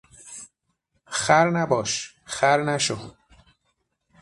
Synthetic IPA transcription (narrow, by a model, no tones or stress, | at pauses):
xæɾnæbɒːʃ | xæɾnæʃo